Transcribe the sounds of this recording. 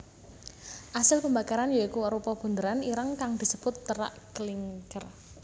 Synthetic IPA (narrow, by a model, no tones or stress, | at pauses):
ʔasəlpəmbakaɾanjaikuɾupɔb̥ṳnd̪əɾaniɾaŋkaŋd̪̥i̤səb̥ʊt̪ːəɾa̰ʔkəliŋkər